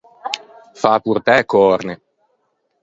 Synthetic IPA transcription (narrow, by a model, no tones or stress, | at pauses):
fapuɾt̪ɛkɔɾne